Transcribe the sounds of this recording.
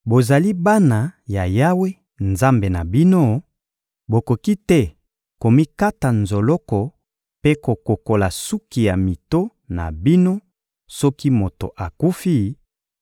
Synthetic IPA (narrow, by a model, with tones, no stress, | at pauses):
bo˨za˨li˦ba˦na˨ja˨ja˦we˦ | nza˦mbe˨na˨bi˦no˦ | bo˨ko˨ki˦tɛ˦ | ko˨mi˦ka˦ta˨nzo˨lɔ˦kɔ˨ | pe˦ko˨ko˨ko˨la˨su˦ki˨ja˨mi˨to˦ | na̰˨bi˦no˦ | sɔ˦ki˦mo˨to̰˨ʔa˨ku˦fi˦